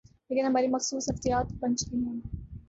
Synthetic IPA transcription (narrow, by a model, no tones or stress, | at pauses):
leːkɪnɦɐmaːɾimɐxsuːsɦɐft̪ijaːt̪bɐ̃nt͡ʃt̪iɦõːn